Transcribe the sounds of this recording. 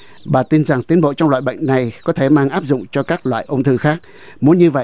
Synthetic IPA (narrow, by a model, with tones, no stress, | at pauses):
ɓaː˨˩t̪i˧nza˨˩ŋt̪i˨˦ənɓo̰˧˨t͡ɕɔ˧wŋ͡mlwa̰ː˧˨jɓə̰˧˨jŋ̟na˨˩jkɔ˨˦t̪ʰe˧˩maː˧ŋʔaː˦˥p̚zʊ̰˧˨ŋ͡mt͡ɕɔ˧kaː˦˥k̚lwa̰ː˧˨jʔə˧wŋ͡mt̪ʰɨ˧xaː˦˥k̚ | mu˨˦ənɲɨ˧və̰˧˨